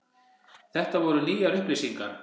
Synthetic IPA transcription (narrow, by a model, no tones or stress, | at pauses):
θɛht̪avɔɾʏniːjaɾʏhplɪsiŋkaɾ